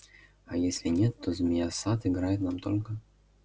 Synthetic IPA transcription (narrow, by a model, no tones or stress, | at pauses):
ajesʲlʲɪnʲet̪ːozmʲɪjasat̪ɪɡɾajɪt̪namt̪olʲkə